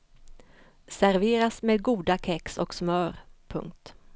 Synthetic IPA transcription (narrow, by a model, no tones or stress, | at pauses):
sæɾveːɾasmeːd̪̚ɡuːd̪akʰɛksɔ̰ksmœːɾpʰɵ̰ŋk̚t̪